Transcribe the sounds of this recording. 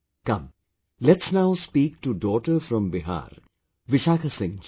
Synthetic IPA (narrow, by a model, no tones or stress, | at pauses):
kɐ̃m | lɛʈsnaʊspiːk̚ʈuɖɔːʈəɾfɾɔ̃mbɪɦa̰ːɾ | ʋɪʃaːkʰasɪ̃ŋ